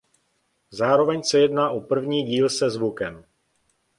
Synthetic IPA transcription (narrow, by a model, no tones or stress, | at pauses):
zaːɾo̞vɛɲsɛjɛdnaːʔopr̩vɲiːɟiːlsɛzvukɛm